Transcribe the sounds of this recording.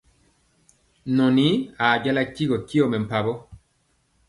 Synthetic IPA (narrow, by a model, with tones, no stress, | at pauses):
nɔ˨ni˨˦a˨ɟa˦la˦ki˦ɣɔ˨ki˦ɔ˦˨mɛ˨m̩˨pa˨bɔ˦